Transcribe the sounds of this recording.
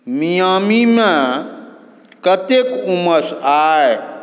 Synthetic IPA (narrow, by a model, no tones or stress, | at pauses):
mijaːmimẽ | kət̪ekuməsaːe